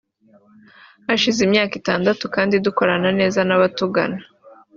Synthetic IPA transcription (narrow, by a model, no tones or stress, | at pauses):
aʃizimɲaːkitaːndatukaːndiduko̞ɾanane̞ːzanaβatuɡa̰nḁ